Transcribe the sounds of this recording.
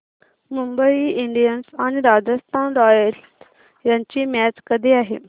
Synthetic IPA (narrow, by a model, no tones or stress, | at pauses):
mumbəiiɳɖijənsañiɾad͡zəst̪ʰanɾɔjəls | jaɲt͡ɕiːmjæt͡skəd̪ʱiaɦḛ